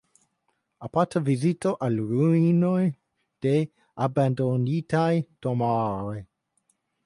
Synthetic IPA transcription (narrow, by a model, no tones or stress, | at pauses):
apat̪avizit̪oʔalɾunoj | d̪̥e | aband̪onit̪ajd̪̥omaɾe